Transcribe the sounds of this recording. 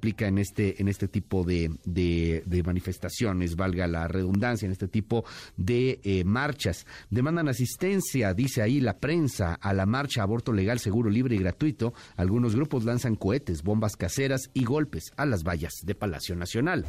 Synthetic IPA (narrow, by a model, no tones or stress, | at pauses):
plikaenest̪eʔːne̞st̪e̞t̪ipo̞ðeðeðe̞manife̞st̪asjo̞ne̞zβalɣala̰re̞ðund̪ansjaenest̪et̪ipo̞ðemaɾt͡ʃasd̪emãnd̪anas̬ist̪e̞nsjaðise̞ailapɾe̞nsa̰alamaɾt͡ʃaːβo̞ɾt̪o̞le̞ɣalse̞ɣuɾo̞liβɾeiɣɾat̪wit̪o̞alɣuno̞zɣɾupo̞zlansaŋko̞e̞t̪e̞zbo̞mbaskase̞ɾasiɣo̞lpe̞salazβaʝaz̥ðe̞pala̰sjo̞nasjo̞nal